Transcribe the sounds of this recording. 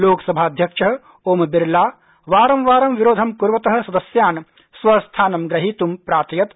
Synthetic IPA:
loːkɐ̥sɐbʱaːɐd̪ʱjɐkʂɐɦɐ̆ | oːmɐbiɾlaː | ʋaːɾɐmʋaːɾɐmʋiɾoːd̪ʱɐmkuɾʋɐt̪ɐɦɐ̆sɐd̪ɐsjaːn | sʋɐst̪ʰaːnɐmɡɾɐɦiːt̪umpɾaːɾt̪ɐjɐt̪

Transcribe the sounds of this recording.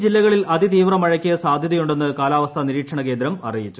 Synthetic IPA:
d͡ʑilːɐɣɐɭilɐðit̪iːʋrɐmɐɻɐkʲːiɐsaːd̪ʱjɐðɐjuɳɖe̞nːɨkaːlaːʋɐst̪ʰɐniɾiːkʂɐɳɐke̞ːnd̪ɾɐmɐ̰rijit͡ɕːu

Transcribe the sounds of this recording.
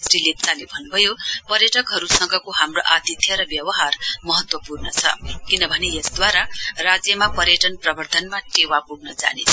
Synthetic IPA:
srilet̚t͡salebʱʌnːubʱʌjopʌɾjʌʈʌkɦʌɾusʌŋɡʌkoɦamroʔat̪it̪ʰjʌɾʌbjʌwʌɦarmʌɦʌt̪wʌpurnʌt͡sʰʌ̰kinʌbʱʌnejʌsd̪waɾarad͡zjʌmapʌɾjʌʈʌnprʌbʱʌrd̪ʱʌnmaʈewapuɡnʌd͡za̰nḛt͡sʰʌ

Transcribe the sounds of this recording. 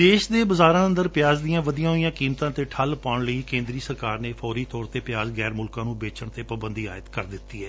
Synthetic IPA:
d̪eːʃd̪eːbəzaːɾãːə̃nd̪əɾpɪjaːzd̪ɪjãːʋəd̪ijãːɦoijãːkiːmt̪ãːt̪eːʈʰəlpaːɳləiːkẽːnd̪ɾiːsəɾkaːɾneːfʰɔːɾiːt̪ɔːɾt̪eːpɪjaːzɡɛːɾmʊlkãːnũːbeːt͡ʃəɳt̪eːpəbənd̪iːa̰ːjɪt̪kəɾd̪ɪt̪ːiːɦɛː

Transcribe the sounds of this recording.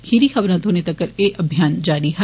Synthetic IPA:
hiɾiːxəbɾãːt̪oːneːt̪əkːəɾeːʔəbʱijaːnd͡ʒaːɾiːɦɛ

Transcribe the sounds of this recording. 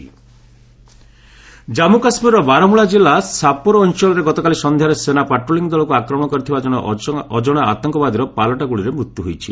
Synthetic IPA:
d͡ʒamukasmiɾɾɔbaɾɔmuɭad͡ʒilasapɔɾɔːnsɔlɔɾeɡɔt̪ɔkalisɔnd̪ʱjaɾesenapaʈɾoliŋɔd̪ɔlɔkuakɾɔmɔ̃ɔkɔɾit̪ʰibad͡ʒɔɽ̃ɔɔd͡ʒɔɽ̃ɔa̰t̪ɔŋkɔbad̪iɾɔpalɔʈaɡuɭiɾemɾut̪ːjuɦojt͡ʃʰi

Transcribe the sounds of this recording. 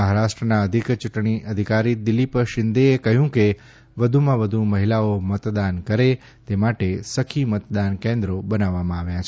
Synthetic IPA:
əɦaɾaʃʈɾənaəd̪ʱikt͡ʃuʈɳiʔəd̪ʱikaɾid̪ɪlipʃɪnd̪eekəɦjũke | ʋəd̪ʱumãʋəd̪ʱũməɦilaomət̪d̪ankəɾe | t̪emaʈesəkʰimət̪d̪ankẽnd̪ɾobənaʋːamãaʋjat͡ʃʰe

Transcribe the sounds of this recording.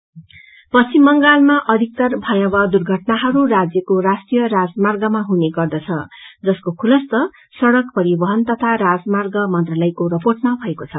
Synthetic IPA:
pʌt͡sʰimːʌŋɡalmaʔʌd̪ʱik̚t̪ʌrbʱʌjabʌd̪urɡʱʌʈnaɦʌɾurad͡zjʌkorasʈrijʌrad͡zmarɡʌmaɦuneɡʌrd̪ʌt͡sʰʌd͡zʌskokʰulʌst̪ʌ | sʌɽʌkpʌɾibʌɦʌnt̪ʌt̪ʰaɾad͡zmarɡʌmʌnt̪rʌlʌjkoɾʌporʈmabʱʌekot͡sʰʌ

